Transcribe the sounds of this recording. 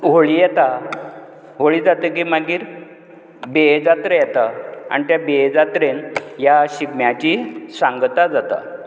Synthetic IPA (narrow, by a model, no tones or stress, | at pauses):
ɦoɭiːjɛt̪a | ɦoɭiːd͡zat̪əkiːmaɡiːɾ | bed͡zat̪ɾəjɛt̪aa̰nit̪jabed͡zat̪ɾenjaɕiɡmjat͡ɕiːsaŋɡt̪ad͡zat̪a̰